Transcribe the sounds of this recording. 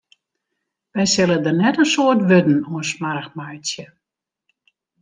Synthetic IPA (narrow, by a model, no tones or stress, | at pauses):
ʋɛjsɪlədərnɛtənsoərtʋødn̩uənsmarxmajt͡sjə